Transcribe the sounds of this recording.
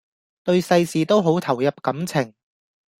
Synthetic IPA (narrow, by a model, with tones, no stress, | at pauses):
t̪ɵ˧ɥsɐ˧jsiː˨t̪o˥wɦo˨˥wt̪ʰɐ˨˩wjɐ˨p̚kɐ˨˥mt͡sʰɪ˨˩ŋ